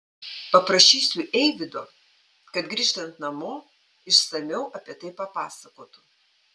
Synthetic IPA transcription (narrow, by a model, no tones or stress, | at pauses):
pɐpɾɐʃʲiːsʲʊʔɛɪʋʲɪd̪oː | kɐt̪ɡɾʲiːʃt̪ɐnt̪nɐmoː | ɪʃsɐmʲɛʊʔɐpʲiɛt̪ɐɪpɐpɑːsɐkoːt̪ʊ